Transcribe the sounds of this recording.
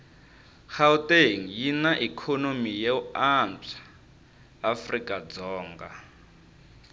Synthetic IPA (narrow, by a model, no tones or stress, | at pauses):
xawteŋ̩jinaʔikʰɔnomijeuand͡ɮḁː | frikʼad͡zɔːŋɡa